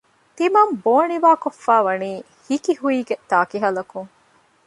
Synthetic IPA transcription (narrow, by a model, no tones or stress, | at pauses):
t̪imɐmboːniʋaːkofːæːʋɐniː | hikiɦuiːɡet̪aːkiɦɐlɐkuŋ